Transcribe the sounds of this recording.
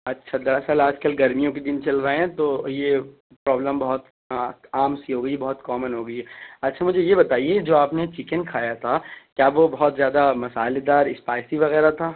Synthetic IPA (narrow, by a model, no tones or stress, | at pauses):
ɐtːʃʰad̪ɐɾɛsalaːd͡ʒkɐlɡɐɾmijõked̪ɪnt͡ʃɐlɾɐɦeɦɛ̃t̪oje | pɾɔːbləmbɐɦɔt̪ | aːmsiɦoːɡɐibɐɦɔt̪kɔːmənɦoːɡɐiɦɛɐtːʃʰamʊd͡ʒʱejebɐt̪aːied͡ʒoːaːpnet͡ʃɪkənkʰaːjat̪ʰakjaːʋobɐɦɔt̪zjaːd̪amɐsaːled̪aːɾɪspaːɪsiʋɐɣɛːɾat̪ʰaː